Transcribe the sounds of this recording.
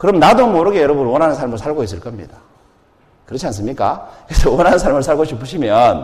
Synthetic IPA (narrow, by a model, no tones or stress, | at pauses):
kɯɾʌmnadomoɾɯɡejʌɾʌbunwʌnɦanɯnsʰaɭmɯɭsʰaɭɡois͈ɯɭk͈ʌmɲḭda | kɯɾʌt͡ɕʰians̬͈ɯmɲik͈a̰kɯɾesʰʌwʌnɦanɯnsʰaɭmɯɭsʰaɭɡoɕʰipʰɯɕʰimjʌn